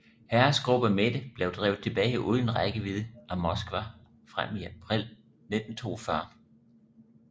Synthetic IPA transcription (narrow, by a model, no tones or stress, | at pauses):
hæɐsɡ̥ʁub̥ɐmed̥əb̥leʊd̥ʁɛːʊð̩ˠt͡sʰe̝b̥ɛːɪʔuðˠnenʁaɡ̥əʋiðˠʔæmɒ̽sɡ̥ʋæ | fʁam̰iæpʰʁil̰ | ned̥n̩t͡sʰo̝̰ːɒfɶɐ